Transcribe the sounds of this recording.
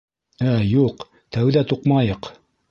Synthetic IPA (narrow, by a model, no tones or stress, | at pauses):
æjuq | t̪æwðæt̪uqmɑjɤq